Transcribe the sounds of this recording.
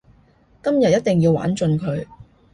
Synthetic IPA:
kɐ˥mjɐ˨t̚jɐ˥t̚t̪ɪ˨˩ŋjiː˧wa̰ː˨˥nt͡ʃɵ˧nkʰɵ˨˧ɥ

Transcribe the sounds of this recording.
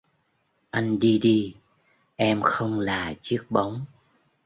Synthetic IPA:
ʔa˧jŋ̟ɗi˧ɗi˧ | ʔɛ˧mxə˧wŋ͡mlaː˨˩t͡ɕɨ˦˥ək̚ɓa˨˦wŋ͡m

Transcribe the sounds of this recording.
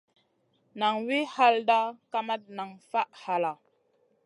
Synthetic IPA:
na˨ŋwi˦ha˦lda˦ka˦ma˦t̚na˨ŋfa˦ʔha˨la˨

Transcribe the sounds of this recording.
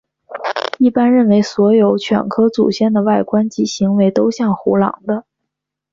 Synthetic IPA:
i˥˩pa˥nɻə˥˩nwe˧˥ɪswɔ˧˥jo˧˥ʊt͡ɕʰɥɛ̰˨˩nkʰɤ˥t͡sṵ˨˩ɕjɛ˥˩nd̪ə˩wa˥˩ɪkwa˥nt͡ɕi˧˥ɕi˧˥ŋwe˧˥ɪt̪o˥ʊɕjɑ˥˩ŋxṵ˧˥lɑ̰˨˩ŋd̪ə˦

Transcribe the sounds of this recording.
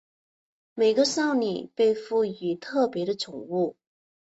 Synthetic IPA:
me˨˩ɪɡə˦ʂɑ˥˩ʊnḭ˨˩pe˥˧ɪfu˥˩y˧˥t̪ʰɤ˥˩pjɛ˧˥ɾə˧t͡sʰʊ˨˩ŋu˥˩

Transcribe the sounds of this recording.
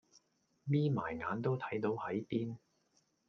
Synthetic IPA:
miː˥maː˨˩jŋaː˨˥nt̪o˥wt̪ʰɐ˨˥jt̪o˨˧whɐ˨˥jpiː˥n

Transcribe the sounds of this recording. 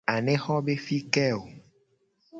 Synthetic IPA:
a˨nẽ˦xɔ˦be˦fi˦kɛ˦o˨

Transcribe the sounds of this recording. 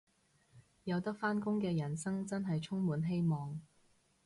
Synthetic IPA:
jɐ˨˧wt̪ɐ˥k̚faː˥nkʊ˥ŋkɛː˧jɐ˨˩nsɐ˥ŋt͡sɐ˥nɦɐ˨jt͡ʃʰʊ˥ŋmuː˨˧nɦe˥jmɔː˨ŋ

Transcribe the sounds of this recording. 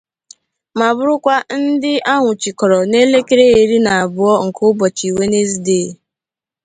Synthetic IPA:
ma˨bʊ˦ɾʊ˦kʷa˦n̩˦dɪ˦ʔa˦ŋʷʊ˨t͡ʃi˨kɔ˨ɾɔ˨ne˦le˦ke˦ɾe˦e˨ɾi˦na˨a˨bʊ˨˦ɔ˦ŋ̩˨kʰʊ˦bɔ˨t͡ʃi˨we˦ne˦zi˨deː˦˨

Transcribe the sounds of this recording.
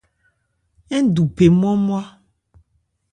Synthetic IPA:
ɛ˦du˨pe˨m˦ɔ̃˦mõ˦a˦

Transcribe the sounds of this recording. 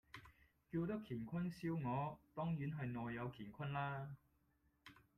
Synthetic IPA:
kiː˧wt̪ɐ˥kʰiː˨˩nkʷʰɐ˥nsiː˥wŋɔː˨˧t̪ɔː˥ŋjyː˨˥nɦɐ˨jnɔː˨jːɐ˨˧wkʰiː˨˩nkʷʰɐ˥nlaː˥

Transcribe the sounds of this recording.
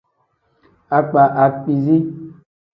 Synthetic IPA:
a˨k͡pa˨ʔa˨k͡pi˨zi˦

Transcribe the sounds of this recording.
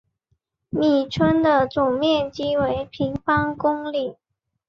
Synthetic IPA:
mi˨˩ʈ͡ʂʰwə˥nd̪ə˨t͡sʊ˨˩ŋmjɛ˥˩nt͡ɕi˥we˧˥ɪpʰi˧˥ŋfɑ˥ŋkʊ˥ŋli˨˩˦

